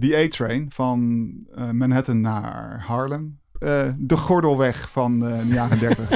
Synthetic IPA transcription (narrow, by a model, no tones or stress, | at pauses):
diejtɹejnvɑn | mɛnɦɛtənːa̰ɹhɑɹlən | dəχɔɹdəlˠʋɛχfɑndəjaːrəndɛɹtəχ